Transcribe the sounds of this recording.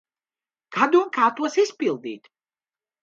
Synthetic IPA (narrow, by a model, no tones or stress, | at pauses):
kʰad̪uːnkʰaːt̪ʰʼuɔsispʼilˠd̪ḭːt̪ʰ